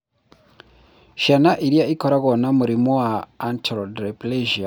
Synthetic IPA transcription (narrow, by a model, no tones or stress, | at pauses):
ʃanaʔiɾjaʔikoɾaɣonamuɾimowaːntɾodɾepleʒia